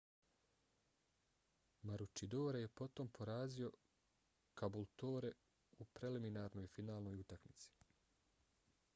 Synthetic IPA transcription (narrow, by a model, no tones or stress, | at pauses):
maɾut͡ʃid̪oːɾeje̞po̞t̪o̞mpʰo̞ɾaːzio̞ | kabulˠt̪oːɾe̞ | upɾe̞liminaːɾno̞jfinaːlˠno̞ːjut̪akmit̪si̥